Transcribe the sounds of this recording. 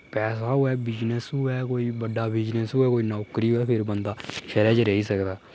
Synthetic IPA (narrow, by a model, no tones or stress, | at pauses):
pɛːsaːɦʊɛːbɪd͡ʒnəsɦʊɛːkoːiːbəɖaːbɪd͡ʒnəsɦʊɛːkoːiːnɔːkɾiːɦoɛːpʰɪɾbənd̪aːʃəɾɛːd͡ʒɾəɦiːsəkd̪aː